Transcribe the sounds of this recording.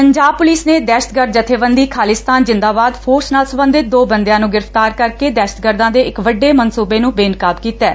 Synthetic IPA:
pəɲd͡ʒaːb̚pʊliːsneːd̪ɛːʃə̥t̪̚ɡəɾd̪d͡ʒət̪ʰeːʋənd̪iːkʰaːlɪst̪aːnzɪ̃nd̪aːbaːd̪pʰoːɾsnaːlsəmbə̃nd̪ɪt̪̚d̪oːbənd̪jãːnũːɡɪɾəft̪aːɾkəɾkeːd̪ɛːʃət̪̚ɡəɾd̪ãːd̪eːɪkʋəɖːeːmənsuːbeːnũːbeːɪnkaːbkiːt̪ɛː

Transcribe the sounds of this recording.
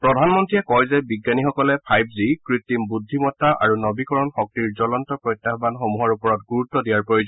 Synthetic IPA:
pɹɔdʱanmɔntɹiɛkɔjzɛbiɡːanixɔkɔlɛpʰajpzikɹit̪ːimbud̪ʱːimɔtːaʔa̰ɹunɔbikɔɹɔnxɔk̚tiɹzɔlɔntɔpɹɔjt̪ːaɦɔbanxomuɦɔɹupɔɹɔtɡuɹutːɔdijaɹpɹojod͡ʒɔ

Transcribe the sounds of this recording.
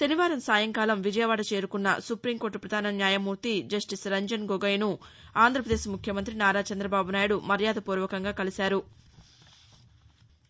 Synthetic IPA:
t̪eniʋaːɾɐmsaːjɐŋkaːlɐmʋid͡ʒɐjɐʋaːɽɐt͡ʃe̞ːɾukunːɐ̰supɾiːŋko̞ːɾʈːupɾɐd̪ʱaːnɐnjaːjɐmuːɾt̪id͡ʒɐsʈisɾɐɲd͡ʒɐnɡoɡɐjnuaːnd̪ɾɐpɾɐd̪eːsmukʰjɐmɐnt̪̬ɾinaːɾaːt͡ʃɐnd̪ɾɐbaːbunaːjuɽumɐɾjaːd̪ɐpuːɾʋɐkɐŋɡaːkɐlisaːɾu

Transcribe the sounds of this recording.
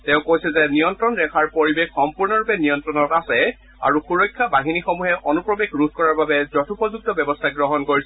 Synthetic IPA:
tɛ̃ʊ̃kojsɛzɛnijɔntɹɔnɹɛkʰaɹpoɹibexːɔmpuɹnɔɹupɛnijɔntɹɔnɔtasɛ | a̰ɹuxuɹɔjkʰːabaɦinixomuɦɛʔɔnupɹɔbexɹudkɔɹaɹbabɛzɔtʰupɔzuk̚tɔbjɔbɔstʰaɡɹɔɦɔnkoɹisɛ

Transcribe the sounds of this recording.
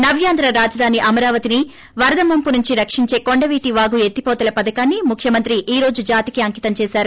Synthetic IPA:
nɐbʱjaːnd̪ɾɐɾaːd͡ʒɐd̪ʱaːniʔɐmɐɾaːʋɐt̪ini | ʋɐɾɐd̪ʱɐmɐmpunuɲt͡ʃiɾɐkʂiɲt͡ʃe̞ːko̞ɳɖɐʋiːʈiʋaːɡue̞t̪ːipɔːt̪ɐlɐpɐd̪ɐkaːnːimukʰjɐmɐnt̪ɾiʔiːɾo̞ːd͡ʒud͡ʒaːt̪ikiɐŋkit̪ɐmt͡ʃɛːsaːɾu

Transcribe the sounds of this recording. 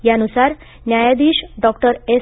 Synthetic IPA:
janusaɾ | njajad̪iːɕɖɔk̚ʈəɾe

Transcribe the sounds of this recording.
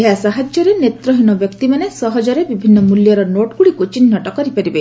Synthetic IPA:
eɦasaɦad͡ʒjɔɾenet̪ɾɔɦinɔbjɔkt̪imanesɔɦɔd͡ʒɔɾebibʱinːɔmuljɔɾɔnoʈɡuɽikot͡ʃinːɔʈɔkɔɾipaɾibe

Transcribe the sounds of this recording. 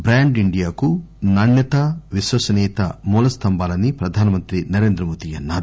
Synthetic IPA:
bɾaːɳɖiɳɖijaːkunɐɳjɐt̪ɐʋiʃwɐsɐniːt̪ɐmɔːlɐst̪ʰɐmbaːlɐnipɾɐd̪ʱaːnɐmɐnt̪ɾinɐɾe̞ːnd̪ɾɐmoːt̪iɐnːaːɾu

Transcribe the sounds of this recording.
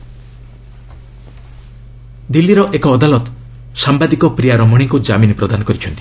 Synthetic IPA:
d̪ilːiɾɔʔekɔːd̪alɔt̪ | sambad̪ikɔpɾijaɾɔmɔɽ̃ikud͡ʒaminpɾɔd̪anɔkɔɾit͡ʃʰɔnt̪i̥

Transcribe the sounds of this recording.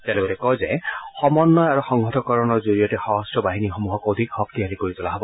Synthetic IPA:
talɛbɔlɛkɔjzɛxɔmɔnːɔjaɹuxɔŋɡʱɔtɔkɔɹɔnɔɹzoɹijɔtɛxɔɦɔstɔbaɦinixomuɦɔkod̪ʱikxɔk̚t̪iɦalikoɹit̪ʊlaɦɔbɔ

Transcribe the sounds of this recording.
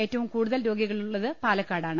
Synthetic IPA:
e̞ːtːɐʋumkuːɽuðɐlɾo̞ːɡiɣɐɭuɭːɐðɨpaːlɐkːaːɽaːɳɨ

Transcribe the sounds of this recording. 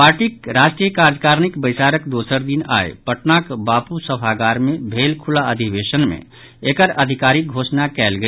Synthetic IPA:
paːɾʈikɾasʈɾijəkaɾd͡ʒkaɾnikbəjsaɾəkd̪osəɾd̪ina̰epəʈnakbaːpusəbʱaɡaɾmebʱeːlkʰulaəd̪ʱibeʃənmḛ̃ | ekəɾəd̪ʱikaɾik̚ɡʱoːsnakɛːlɡə

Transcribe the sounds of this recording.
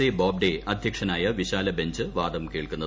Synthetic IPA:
eboːb̚ɖeɐd̪ʱjɐkʂɐnaːjɐʋiɕaːlɐbe̞ɲd͡ʑɨʋaːd̪ɐmke̞ːɭkunːɐð

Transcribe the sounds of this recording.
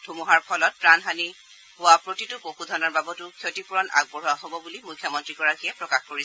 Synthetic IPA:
d̥ʰʱumuɦaɹpʰɔlɔt̚pɹanɦani | hʊwapɹotitʊpoxudʱɔnɔɹbabɔtʊkʰjotipuɹɔna̰ɡ̚bɔɹuaɦobɔbulimujkʰːjɔmɔntɹikɔɹakijɛpɹɔkaxkoɹisɛ

